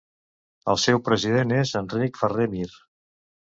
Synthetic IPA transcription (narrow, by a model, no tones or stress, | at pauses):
əlˠsɛwpɾəziðenezənrikfəremiɾ